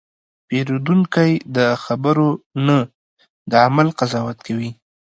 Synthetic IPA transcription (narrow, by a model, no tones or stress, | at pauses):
peɾod̪uŋkajd̪əxabəɾonə | d̪əamalqazɑwat̪̚kʰawi